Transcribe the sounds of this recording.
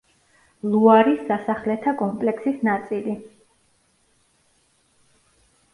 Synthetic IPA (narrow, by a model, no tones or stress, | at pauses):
lˠuaɾisd̪asaχlɛt̪ʰakʼɔmpʼlɛksisnat̪sʼili